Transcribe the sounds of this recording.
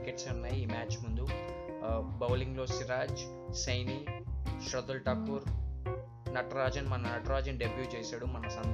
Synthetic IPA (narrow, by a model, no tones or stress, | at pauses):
keʈsɐnːaːjiːmaːt͡ʃːmund̪u | bɐwliŋɡloːsiɾaːd͡ʒ | sɐjniːʃɾɐd̪ɐlʈɐkːuːɾ | nɐʈɾaːd͡ʒɐnmɐnɐnɐʈɾaːd͡ʒɐnɖebɾjuːt͡ʃeːsaːɽumɐnɐsɐn